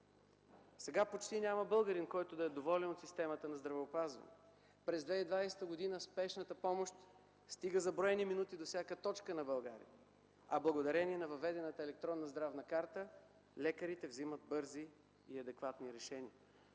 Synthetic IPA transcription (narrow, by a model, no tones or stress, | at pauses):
sɛɡapot͡ʃt̪inʲaməbɤlˠɡəɾinkɔjt̪od̪ɐɛd̪ovɔlʲɛnot̪sist̪ɛmət̪ənɐzd̪ɾɐvɛopazvə̰nɛ̰ | pɾɛzd̪vɛid̪vajsɛt̪əɡod̪inəspɛʃnət̪əpɔmoʃt̪ | st̪iɡəzɐbɾɔɛniminut̪id̪ofsʲjakət̪ɔt͡ʃkənɐbɐlˠɡa̰ɾḭə | ɐblˠɐɡod̪ɐɾɛniɛnɐvɐvːɛd̪ɛnət̪əɛlɛk̚t̪ɾɔnːɐzd̪ɾavnəkaɾt̪ə | lɛkəɾit̪ɛvzimət̪̚bɤɾziː | ɐd̪ɛkvat̪niɾɛʃɛniə